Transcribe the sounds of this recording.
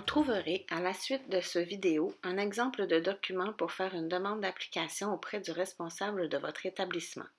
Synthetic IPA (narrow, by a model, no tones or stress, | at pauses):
ɔ̃t̪χuvəʁealasɥɪt̪̚d̪əsəvid̪eoɛ̃nɛɡzɑ̃pləd̪əd̪ɔkʲymɑ̃puʁfɛːʁynd̪əmɑ̃d̪ːapli̥kʲasjɔ̃opχɛd̪yʁɛspɔ̃sabləd̪əvɔt̪χet̪ablismɑ̰̃